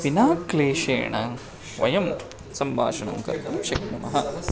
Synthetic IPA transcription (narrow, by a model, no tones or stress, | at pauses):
ʋinaːkleːʃḛːɳɐ | ʋɐ̰jɐm | sɐmbʱa̰ːʃɐɳɐ̰ŋkɐ̰ɾt̪ɐmʃɐknɐmɐ̰ɦɐ